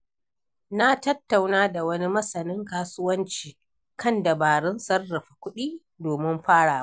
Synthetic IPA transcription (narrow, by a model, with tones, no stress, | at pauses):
na˦tɐ˦tːa˨wnaː˦da˨wɐ˦ni˦mɐ˦sɐ˨nɪ˦ŋkaː˦sʊ˦wɐ˦nt͡ʃiː˨ | kʰɐ˦nda˨baː˨ɽɪ˦nsɐ˦rːɐ˨ɸḁ˨kʷʊ˦ɗiː˦ | doː˨mɪ˦mɸaː˦ɽaː˨˦